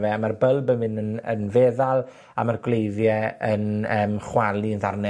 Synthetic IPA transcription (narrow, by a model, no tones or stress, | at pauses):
vɛamarbəlˠbənmɪnənə̰nveːðalˠ | a̰marɡlejðjɛənəːmχwalˠiənðarnɛ